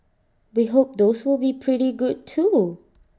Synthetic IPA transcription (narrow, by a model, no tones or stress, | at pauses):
wiɦop̚d̪oswɪlˠbipʰɹiɾiɡud̚tʰu